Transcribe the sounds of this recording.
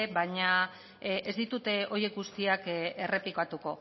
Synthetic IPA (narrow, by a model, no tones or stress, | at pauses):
eβaɲa | ʔezd̪it̪ut̪e̞o̞je̞kɡust̪iake̞re̞pikat̪uko̞